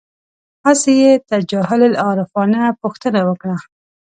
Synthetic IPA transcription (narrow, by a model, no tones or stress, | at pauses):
hasejet̪ad͡ʒaɦɪllɑɾɪfɑnapuxt̪ənawəkɽa